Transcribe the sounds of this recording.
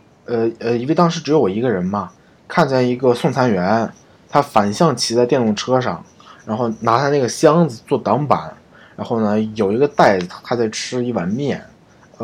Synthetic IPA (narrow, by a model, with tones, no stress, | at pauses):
ə˧ə˧i˧˥˩ɪt̪ɑ˥ŋʂɻ̩˧˥ʈ͡ʂɻ̩˧˥jo˧˥ʊwɔ˨˩i˧˥ɡə˧ɻə˧˥nmɐ˧ | kʰa˥˧nt͡ɕjɛ˥˩ni˧˥ɡə˧sʊ˥˩ŋt͡sʰa˧˥nɥɛ˧˥n | t̪ʰa˥fa˨˩nɕjɑ˥˩ŋt͡ɕʰi˧˥t͡sa˥˧ɪt̪jɛ˥˧nʊ˥˩ŋʈ͡ʂʰɤ˥ʂɑ˥˩ŋ | ɻa˧˥nxo˥˩ʊna˧˥a˥˧ɪna˥˩ɡə˩ɕjɑ˥ŋd͡zɹ̩˨t͡swɔ˥˩t̪ɑ˧˥ŋpa̰˨˩˦n | ɻa˧˥nxo˥˩ʊnə˩jo˨˩ʊi˧˥ɡə˧t̪a˥˩ɪd͡z̩˩t̪ʰa˥t͡sa˥˩ɪʈ͡ʂʰɻ̩˥i˥˩wa˧˥nmjɛ˥˩n